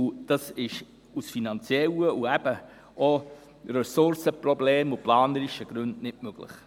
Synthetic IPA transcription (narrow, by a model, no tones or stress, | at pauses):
ʊd̥ɑsɪʃ | usfinɑnt͡sjɛləuæb̥ə | o | rɛsʊɾsəprɔbleːmuplɑːnəɾiʃəɡ̥ɾʉndnɪʔmøɡ̥lɪ̰χ